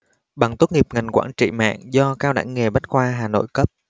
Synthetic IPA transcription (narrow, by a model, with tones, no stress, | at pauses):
ɓa˨˩ŋt̪o˦˥t̚ŋi˨˩əp̚ŋa˨˩jŋ̟kwaː˧˥˩nt͡ɕḭ˧˨ma̰ː˧˨ŋzɔ˧kaː˧wɗa̰ː˧˩ŋːe˨˩ɓa˦˥jt̟̚kwaː˧ɦaː˨˩no̰˧˨jkə˦˥p̚